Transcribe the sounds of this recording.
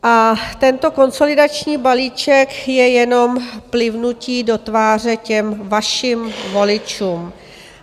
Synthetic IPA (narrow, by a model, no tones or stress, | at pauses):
ʔat̪ɛnt̪o̞ko̞nso̞lɪdat͡ʃɲiːbaliːt͡ʃɛkjɛjɛno̞mplɪvnuciːdo̞t̪vaːr̝ɛcɛmvaʃimvo̞lɪt͡ʃuːm